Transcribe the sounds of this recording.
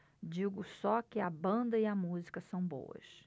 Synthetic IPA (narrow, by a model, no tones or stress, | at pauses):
d͡ʒiɡʊsɔkɪɐbɐ̃nd̪ɐiɐmuzikɐsɐ̃w̃bo̰wɐ̰ʃ